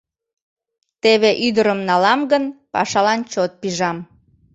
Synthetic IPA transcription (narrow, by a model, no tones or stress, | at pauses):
t̪eβeʔyd̪əɾəmnɑlɑmɡənpɑ̰ʃɑlɑnt͡ɕot̪̚piʒɑm